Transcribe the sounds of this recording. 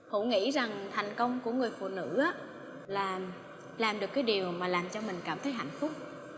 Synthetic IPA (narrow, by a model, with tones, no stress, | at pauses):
hṵ˧˩ŋḭ˧˥za˨˩ŋt̪ʰɛ˨˩jŋ̟kə˧wŋ͡mku˧˩əŋɨ˨˩əjfṵ˧˨nɨ̰˧˥ʔaː˨˦˥ | laː˨˩ | laː˨˩mɗɨ˨˩əkːaː˨˦jɗi˨˩əwmaː˨˩laː˨˩mt͡ɕɔ˧mï˨˩ŋ̟kaː˧˩mt̪ʰə˨˦jɦa̰˧˨jŋ̟fʊ˦˥k͡p̚